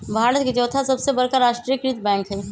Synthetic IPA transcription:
bʱaːɾət̪̚ket͡ʃɔːt̪ʰasɐbsebɐɾkaɾaːʃʈɾiːjəkɾit̪bɛ̃ːŋkɦɛ

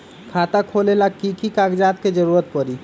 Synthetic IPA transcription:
kʰaːt̪akʰolelakikikakd͡ʒaːt̪̚ked͡ʒəɾuːɾət̪̚pəɾi

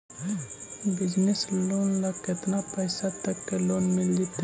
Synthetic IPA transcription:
bɪd͡ʒnesloːnlɐkɪt̪napəjsat̪ɐkːeloːnmɪld͡ʒit̪

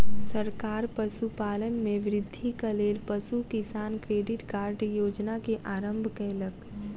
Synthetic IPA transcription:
səɾkaːɾpəʃupaːlənmẽʋɾɪd̪ʱːikɐleːlpɐʃukɪsaːnkɾeːɖɪʈkaːɾɖjoːd͡ʒnakeʔaːɾə̃mbʱkɛːlək

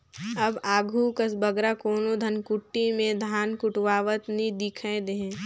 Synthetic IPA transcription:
ɐbaːɡʱukəsbəɡɾakoːnod̪ʱɐnkʊʈːimẽd̪ʱaːnkʊʈʋaːʋət̪nid̪ɪkʰẽd̪ẽ

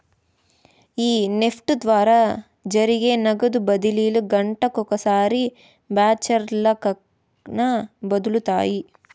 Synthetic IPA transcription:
iːnepʰʈud̪ʋaːɾɐ | d͡ʒɐɾiɡenɐɡɐd̪ubɐd̪ilijɐluɡɐɳʈɐkɔkɐsaːɾi | baːt͡ʃɐɾlɐkɐ | nɐbɐd̪ulut̪a̰ːji

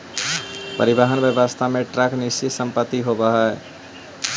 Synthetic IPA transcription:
pə̰ɾibaɦənbjəbəst̪ʰameʈɾaknist͡ʃisəmpət̪ːiɦobəɦə

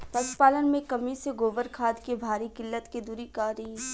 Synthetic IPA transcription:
pɐspaːlənmẽkɐmiseɡoːʋəɾkʰaːd̪kebʱaːɾikɪlːət̪ked̪uːɾikaːɾiː

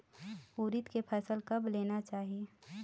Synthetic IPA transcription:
uːɾɪt̪kepʰəsəlkɐbleːnat͡ʃaːɦie

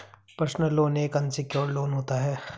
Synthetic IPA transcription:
pəɾsnəlːoːneːkɐnsɪkjoːɾloːnɦoːt̪aɦɛː

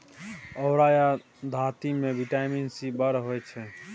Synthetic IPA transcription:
əʊɾaja | d̪ʱat̪imebiʈaminsibəɾɦojt͡ʃʰɛ

